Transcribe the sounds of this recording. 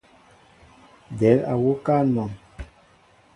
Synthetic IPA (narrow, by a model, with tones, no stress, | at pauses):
dɛ˨˦la̰˨wo˦ka˦˨˦mɔ˨m